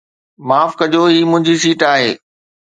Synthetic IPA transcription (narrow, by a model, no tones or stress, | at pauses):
maːfkɐd͡ʑoɦiːmʊ̃ɦɪ̃ɲd͡ʑiʃ̬iːʈaːɦeː